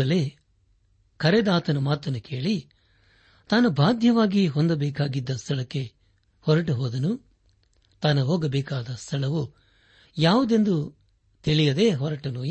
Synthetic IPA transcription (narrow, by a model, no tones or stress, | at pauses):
ɐle | kʰɐɾed̪aːt̪ɐnɐmaːt̪ɐnːukʰe̞ːɭi | t̪aːnɐbʱaːd̪ʱjɐʋaːɡiɦɔnd̪ɐbɛːkaːɡid̪ːɐst̪ʰɐɭɐkːe̞ | hɔɾɐʈuɦɔːd̪ɐnu | t̪aːnɐɦoːɡɐbɛːkaːd̪ɐst̪ʰɐɭɐʋu | jaːʋud̪e̞nd̪u | t̪iɭijɐd̪e̞ːɦɔɾɐʈɐnu